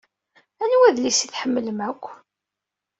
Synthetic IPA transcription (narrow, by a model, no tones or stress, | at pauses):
ænwæðlisiθħəmːləmækʷː